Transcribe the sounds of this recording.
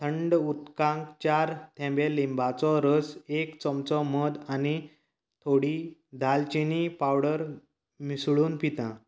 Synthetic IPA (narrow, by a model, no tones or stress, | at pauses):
t̪ʰəɳɖut̪kãŋkt͡ɕaɾt̪ʰɛ̃mbelimbat͡sɔɾəsekt͡sɔmt͡sɔməd̪ani | t̪ʰoɽid̪ʱalt͡ɕinipawɽəɾ | misɭuːnpit̪ã